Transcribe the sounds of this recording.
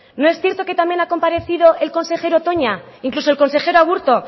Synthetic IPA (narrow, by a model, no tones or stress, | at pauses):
no̞e̞sθje̞ɾt̪o̞ke̞t̪ambje̞nako̞mpaɾe̞θiðo̞ʔe̞lko̞nse̞xe̞ɾot̪o̞ɲa | iŋklusoe̞lko̞nse̞xe̞ɾoaɣ̞uɾt̪o̞